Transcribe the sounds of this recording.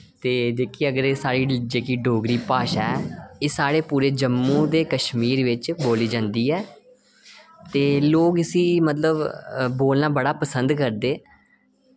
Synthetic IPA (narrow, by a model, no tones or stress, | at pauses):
t̪eːd͡ʒ̪eːkʰiːəɡəɾesaːɽiːd͡ʒeːkiːɖoːɡɾiːpaːʃaːɛeːsaːɽeːpuːɾeːd͡ʒəmːũːd̪eːkəʃmiːɾʋɪt͡ʃboːliːd͡ʒãːnd̪iːɛː | t̪eːloːkəsĩːmət̪ləbboːlnãːbəɽaːpəsənd̪kəɾd̪eː